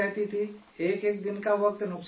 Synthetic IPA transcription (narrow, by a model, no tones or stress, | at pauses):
aɦt̪it̪ʰi | eːkekd̪ɪnkaʋək̚t̪nʊks